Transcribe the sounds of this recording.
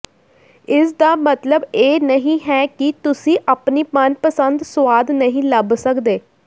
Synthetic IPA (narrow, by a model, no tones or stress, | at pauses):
ɪsd̪aːmət̪ləbeːnəɦĩːɦɛːkit̪ʊsĩːʔaːpniːpənpəsənd̪sʋaːd̪nəɦĩːləbsəkd̪eː